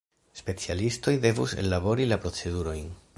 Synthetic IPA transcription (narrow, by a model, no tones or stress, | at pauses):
spe̞t͡sialisto̞jde̞vuse̞̰lːabo̞ɾilapɾo̞t͡se̞duɾo̞jn